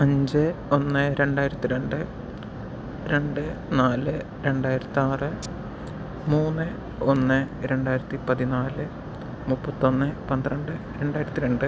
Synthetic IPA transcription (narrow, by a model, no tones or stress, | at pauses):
ɐɲd͡ʑɨo̞nːɨɾe̞ɳɖaːjiɾɐt̪ːiɾe̞ɳɖɨ | ɾe̞ɳɖɨnaːlɨ | ɾe̞ɳɖaːjiɾɐt̪ːiaːrɨ | muːnːɨ | o̞nːɨ | ɾe̞ɳɖaːjiɾɐt̪ːipɐðinaːlɨ | mupːɐt̪ːo̞nːɨpɐnd̪rɐɳɖɨ | ɾe̞ɳɖaːjiɾɐt̪ːiɾeɳɖɨ